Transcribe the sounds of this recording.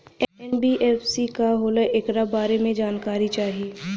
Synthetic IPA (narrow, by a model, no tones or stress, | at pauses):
ɛɛnbiʔɛːfsikaɦoːlaʔekɾabaːɾemẽd͡ʒaːnkaːɾit͡ʃaːɦieː